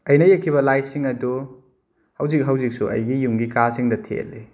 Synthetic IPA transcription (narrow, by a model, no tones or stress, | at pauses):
ɐjnɐjekʰːiβɐlajsiŋɐdu | hɐwzik̚ɦɐwzik̚suʔɐ̰jɡijumɡikasiŋdɐtʰḛlːi